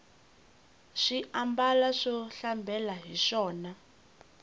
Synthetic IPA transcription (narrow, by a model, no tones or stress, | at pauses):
ʂiʔambalaʂɔɬambʱɛlaɦiʂɔːna